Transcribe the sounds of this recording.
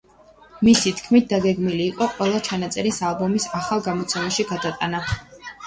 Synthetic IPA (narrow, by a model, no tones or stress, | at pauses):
misit̪ʰkʰmit̪̚d̪aɡɛɡmiliːqʼɔqʼwɛlˠat͡ʃʰanat̪sʼɛɾisalˠbɔmisaχalˠɡamɔt̪sʰɛmaʃiɡad̪at̪ʼana